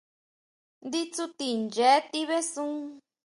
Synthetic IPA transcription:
nd̪i˦t͡su˦t̪i˧˨nd͡ʒe˨˦t̪i˦βe˦sũ˦

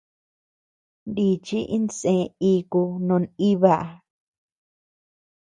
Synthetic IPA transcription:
nd̪i˧t͡ʃi˦ʔi˦nt͡sẽ˧i˧ku˧nõ˧ni˦βa˧˨ʔ

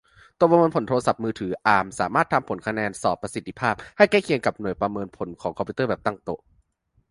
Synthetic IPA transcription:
t̪o˧˨˩pɾa˧mɤː˧npʰo˩˦nt̪ʰoː˧a˧sa˨˩p̚mɯː˧t̪ʰɯː˩˦ʔaː˨˩msaː˩˦maː˥˩t̪ʰːa˧mpʰo˩˦nkʰa˧nɛː˧nsɔː˨˩pːɾa˧si˨˩t̪ːi˧pʰaː˥˩p̚ha˥˩jkɛː˥˩kʰi˧əŋka˨˩p̚nu˨˩əjpɾa˧mɤː˧npʰo˨˩˦nkʰɔː˩˦ŋkʰɔ˧mpʰːuː˧t̪ɤː˥˩bɛː˨˩p̚t̪a˥˩ŋt̪o˧˩ʔ

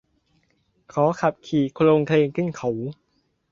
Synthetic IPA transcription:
kʰɔː˨˩˦kʰa˨˩p̚kʰiː˨˩kʰloː˧ŋkʰleː˧ŋkʰɯ˧˥˩nkʰa˨˩˦w

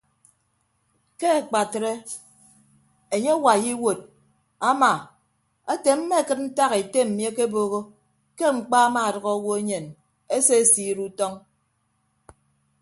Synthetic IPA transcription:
ke˦a˨k͡pa˨tɾe˦ | e˨ɲe˦wa˨ji˦wo˨d̚ | a˦ma˨ | a˦te˨m̩˦me˦˨kɨ˦t̚n̩˦ta˦ɣe˨te˦m̩˨mje˦ke˦boː˦ɣo˦ | ke˦ŋ͡m̩˨k͡pa˦a˦ma˨a˨dʌ˨ɣɔ˦wo˦e˦ɲe˨n | e˦se˦˨si˦ɾu˦tɔ˦ŋ

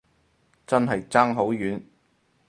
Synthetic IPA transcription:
t͡sɐ˥nɦɐ˨jt͡saː˥ŋɦo˨˥wjyː˨˥n

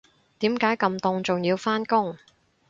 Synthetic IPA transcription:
t̪iː˨˥mkaː˨˥jkɐ˧mt̪ʊ˧ŋt͡sʊ˨ŋjiː˧wfaː˥nkʊ˥ŋ

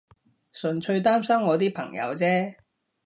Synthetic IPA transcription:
sɵ˨˩nt͡ʃʰɵ˧ɥt̪aː˥msɐ˥mŋɔː˨˧t̪̬iː˥pʰɐ̰˨˩ŋjɐ̰˨˧wt͡sɛː˥

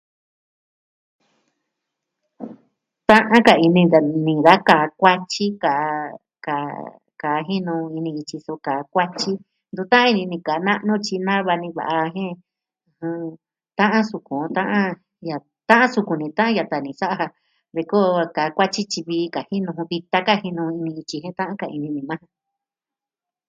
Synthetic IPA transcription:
t̪ã˦ʔã˦ka˨i˧nĩ˧a˨nĩ˧˨ða˦ka˨˧kʷa˦t͡ʃi˦ka˨˧ | ka˨ | ka˨˦˧ɦi˦nũ˧i˧nĩ˧i˧t͡ʃi˧so˧ka˨˧kʷa˦t͡ʃi˦ | nd̪u˧t̪ã˦ã˦i˧nĩ˧nĩ˧ka˨˧nã˦ʔnũ˦t͡ʃi˧nã˦βa˧nĩ˧βa̰˨ʔa˧ɦẽ˦˧ | hɨ̃˧ | t̪ã˦ʔã˦su˧kũ˨˧˦t̪ã˦ʔã˦ | ja˨ | t̪ã˦ʔã˦su˧ku˨nĩ˧t̪ã˦ʔã˦ja˧t̪a˨nĩ˨sa˦ʔa˦˧ha˧ | βe˧ko˦˧ka˨˦kʷa˦t͡ʃi˦t͡ʃi˧βiː˧ka˨hi˦nũ˧βi˧t̪a˧ka˦hi˧nũ˧i˧nĩ˧i˧t͡ʃi˧ɦẽ˦t̪ã˦ʔã˦ka˧˨i˧nĩ˧nĩ˨˧mã˦˧

